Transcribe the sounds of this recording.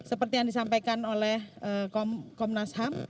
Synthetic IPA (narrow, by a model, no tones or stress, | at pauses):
səpərt̪ijaŋdisampakanolɛhəkɔmkɔmnasɦam